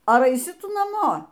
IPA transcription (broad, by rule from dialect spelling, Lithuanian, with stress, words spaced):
ˈɐr ɐɪˈsʲɪ ˈtʊ nɐˈmoː